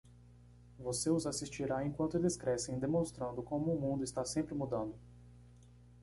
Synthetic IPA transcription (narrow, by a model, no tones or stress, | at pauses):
voseʊzasist͡ʃiɾaẽkwɐ̃nt̪ʊd̪eskɾɛsẽj̃d̪emõst̪ɾɐ̃nd̪ʊkõmʊːmũnd̪ʊist̪asẽmpɾɪmud̪ɐ̃nd̪ʊ